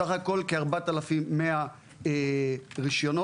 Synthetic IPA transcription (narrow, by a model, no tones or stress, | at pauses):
aχako̞lkeaʁbat̪alafimːea | eʁiʃjo̞no